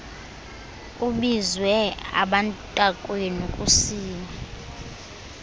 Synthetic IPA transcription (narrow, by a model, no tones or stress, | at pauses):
uɓizwɛa̰ɓantʼakʼwenukʼusiːma